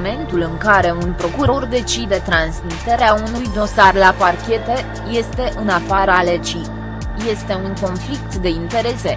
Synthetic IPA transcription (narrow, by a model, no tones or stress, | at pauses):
me̞nt̪ulɨŋkaɾe̞unpɾo̞kuɾo̞rd̪e̞t͡ʃid̪e̞t̪ɾansmit̪e̞ɾeaunujd̪o̞sarlaparkʲe̞t̪e̞ | je̞st̪e̞ʔɨnafaɾalet͡ʃi | je̞st̪e̞uŋko̞nflikt̪d̪e̞int̪e̞ɾe̞se̞